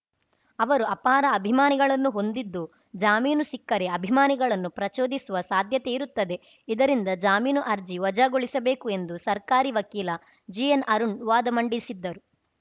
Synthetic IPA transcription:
ɐʋɐɾuɐpaːɾɐːbʱimaːniɡɐɭɐnːuɦo̞nd̪id̪ːu | d͡ʒaːmiːnusikːɐɾe̞ɐbʱimaːniɡɐɭɐnːupɾɐt͡ʃoːd̪isuʋɐsaːd̪ʱjɐt̪e̞iɾut̪ːɐd̪e̞ | id̪ɐɾind̪ɐd͡ʒaːmiːnuʔɐɾd͡ʒiʋɐd͡ʒaɡoɭisɐbe̞ːkue̞nd̪usɐɾkaːɾiʋɐkiːlɐ | d͡ʒijɐnɐɾuɳɖʋaːd̪ɐmɐɳɖisid̪ːɐɾu

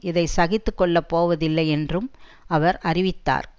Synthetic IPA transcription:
ɪðɐɪsɐɣɪt̪ːɯkːɔɭːɐpːoːʋɐðɪlːɐɪɛndrɯm | ɐʋɐɾʔɐrɪʋɪt̪ːa̰ːɾ

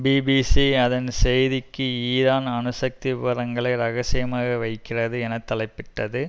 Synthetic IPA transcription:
biːbiːsiɐðɐnsɛjðɪkːɯiːɾaːnɐnɯsɐk̚t̪ɪʋɪʋɐɾɐŋɡɐɭɐɪɾɐɣɐsɪjɐmaːɣɐʋɐɪkːɪrɐðɯɛnɐt̪ːɐlɐɪpːɪʈːɐðɯ

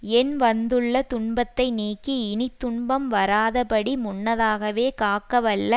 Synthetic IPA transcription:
ɛnʋɐnd̪ɯɭːɐt̪ʊɳbɐt̪ːɐɪniːkːiɪnɪt̪ːʊɳbɐmʋɐɾaːðɐpɐɽimʊɳːɐðaːɣɐʋeːkaːkːɐʋɐɭːɐ

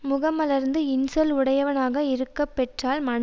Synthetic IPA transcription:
mʊɣɐmɐlɐɾnd̪ɯɪnsɔlʊɽɐjɐʋɐnaːɣɐɪɾɯkːɐpːɛʈraːlmɐn

